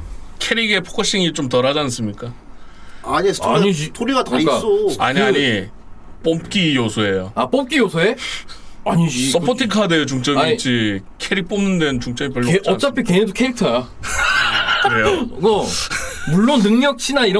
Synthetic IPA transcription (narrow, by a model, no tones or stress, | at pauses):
kʰe̞ɾiɡe̞pʰo̥kʰoɕ͈iŋit͡ɕomtʌɾad͡ʑans͈ɯmɲik͈a | aɲiaɲitʰoɾiɡatak͈as͈oaɲiaɲi | p͈omk͈ijosʰoe̞joap͈om̚k͈ijosʰoe | aɲid͡ʑs͈ʌpʰotʰikʰadejot͡ɕuŋt͡ɕ͈ʌɡit͡ɕ͈i | kʰeɾik̚p͈omnɯndwenɯnt͡ɕuŋt͡ɕ͈ʌɡipʌɭːt͡ɕʌnt͡ɕ͈apʰikeidokʰeɾik̚tʰʌja | kɾejoɡʌmuɭːonːɯŋɲʌk̚t͡ɕʰinaiɾʌ